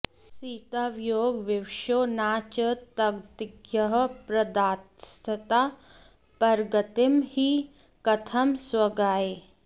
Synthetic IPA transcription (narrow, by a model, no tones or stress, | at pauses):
siːt̪aʋjoːɡʋiwʃoːnaːt͡ʃət̪ɐɡt̪ɡjɐɦ̆pɾɐd̪aːt̪st̪ʰɐt̪aː | pɐɾɡɐt̪ɪmhi | kɐt̪ʰɐmswɐɡaːe